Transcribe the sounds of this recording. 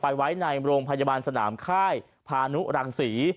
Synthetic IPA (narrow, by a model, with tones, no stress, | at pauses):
pa˧jwa˦˥jna˧jɾoː˧ŋpʰa˧jaː˧baː˧nsa˧na̰ː˩˦mkʰaː˥˩j | pʰaː˧nu˦˥ɾa˧ŋsiː˩˦